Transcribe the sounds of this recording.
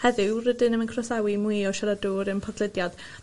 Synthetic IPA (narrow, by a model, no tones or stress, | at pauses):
hɛðɨrədɨnəmənkʰrɔsawimujɔʃaladuːɾəmpʰɔɡlˠɪdjad̥